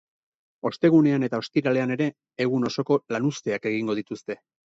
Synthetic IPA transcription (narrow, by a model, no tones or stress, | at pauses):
o̞st̪e̞ɣ̞une̞ane̞t̪ao̞st̪iɾale̞ane̞ɾe̞ː | ɣuno̞so̞ko̞lanust̪e̞ake̞ɣiŋɡo̞ð̞it̪ust̪e̞